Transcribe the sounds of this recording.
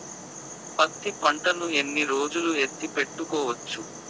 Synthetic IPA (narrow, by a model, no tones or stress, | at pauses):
pɐt̪ːipɐɳʈɐnue̞nːiɾoːd͡ʒuluet̪ːipe̞ʈːukɔːʋɐt͡ʃːu